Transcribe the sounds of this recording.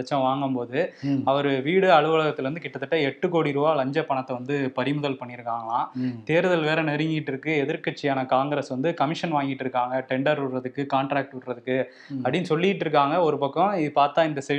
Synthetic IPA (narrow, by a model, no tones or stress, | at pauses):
t͡ʃːɐ̃ʋaːŋɡɯmpoːðɯɐʋɐɾɯʋiːɽɯɐɻɯʋɐɭɐɣɐt̪ːɪlʋɐnd̪ɯkɪʈːɐt̪ːɯʈːɐɛʈːɯkoːɽiɾɯʋaːlɐɲd͡ʒɐpɐɳɐt̪ːɐʋɐnd̪ɯpɐɾɪmʊðɐlpɐɳːɪɾɯkːaːŋɡɐɭãːt̪eːɾɯðɐlʋeːɾɐnɛɾɪŋɡɪɪʈːɾɯkːɯɛðɐɾkɐʈt͡ʃːɪjaːnɐkaːŋɡɪɾɐsʋɐnd̪ɯkɐmɪʂɐnʋaːŋɡɪʈːɪɾɯkːaːŋɡɐʈɛɳɖɐɾɯɽɾɐðɯkːɯkaːɳʈɾaːk̚ʈʊrɐðɯkːɯ | ɐpɽɪnːɯsɔlːɪjɪʈːɾɯk̬ːaːŋɡɐɔɾɯpɐkːɔ̃ɪðɯpaːɾt̪ãːɪnd̪ɐsɛ